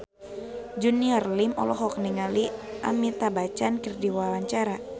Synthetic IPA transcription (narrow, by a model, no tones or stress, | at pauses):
d͡ʒuniarlimɔ̰lɔɦɔk̚niŋaliʔamit̪abat͡ʃankərdiwawaɲt͡ʃaɾa